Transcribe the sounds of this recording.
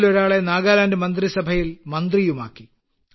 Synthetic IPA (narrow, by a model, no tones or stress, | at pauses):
lo̞ɾaːɭe̞naːɣaːlaːndemɐnd̪risɐbʱɐjilmɐnd̪rijuma̰ːkːi